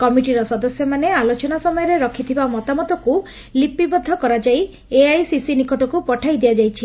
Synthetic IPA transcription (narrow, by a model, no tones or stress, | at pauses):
kɔmiʈiɾɔsɔd̪ɔsjɔmanealot͡ʃɔnasɔmɔjɔɾeɾɔkʰit̪ʰibamɔt̪amɔt̪ɔku | lipibɔd̪ʱːɔkɔɾad͡ʒaj | eajsisinikɔʈɔkupɔʈʰajd̪iad͡ʒajt͡ʃʰi